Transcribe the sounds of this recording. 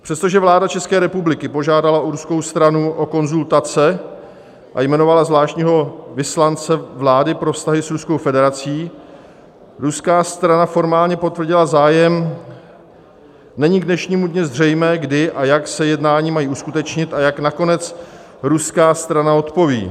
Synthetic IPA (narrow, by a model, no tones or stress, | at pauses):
pr̥ɛst̪oʒɛvlaːdat͡ʃɛskɛːɾɛpublɪkɪpo̞ʒaːdalaʔoɾusko̞wst̪ɾanuʔo̞ko̞nzult̪at͡sɛ | ʔa̰jmɛno̞valazvlaːʃtɲiːɦo̞vɪslant͡sɛvlaːdɪpɾo̞fst̪aɦɪsɾusko̞wfɛdɛɾat͡siː | ɾuskaːst̪ɾanafo̞ɾmaːlɲɛpo̞t̪vrɟɪlazaːjɛm | nɛɲɪɡdnɛʃɲiːmudɲɪzr̝ɛjmɛːɡdɪʔajaksɛjɛdnaːɲiːmajiːuskut̪ɛt͡ʃɲɪt̪ʔajaknako̞nɛt͡s | ɾuskaːst̪ɾanao̞t̪po̞vḭː